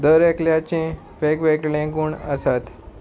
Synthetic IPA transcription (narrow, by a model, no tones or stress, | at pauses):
d̪əɾekljat͡ɕĩ | fekʋekʈlẽɡuːɳə̰sat̪